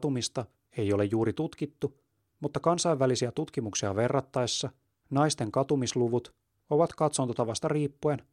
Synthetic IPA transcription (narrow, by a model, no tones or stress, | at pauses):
t̪umist̪ɑ | e̞jo̞le̞jjuːɾit̪ut̪k̟it̪ːu | mut̪ːɑkɑnsɑjʋːælisiæt̪ut̪kimuksiɑʋe̞rːɑt̪ːɑesːɑ | nɑjst̪e̞ŋkɑt̪umisluʋut̪ | o̞ʋɑt̪kɑt̪sont̪ot̪ɑʋɑst̪ɑriːpːuen